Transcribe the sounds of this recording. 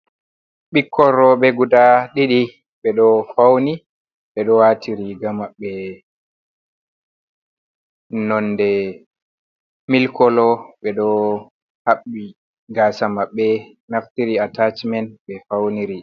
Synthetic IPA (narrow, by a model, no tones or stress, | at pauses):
ɓikʰːɔɾɔɓɛɡudaɗiɗi | ɓɛɗɔfawni | ɓɛɗɔwatʰiɾiɡamaɓːɛ | nɔnːdɛ | milkʰɔlɔɓɛɗɔ | haɓːi | ɡasamaɓːɛ | naftiɾiatat͡ʃmɛnɓɛfawniɾi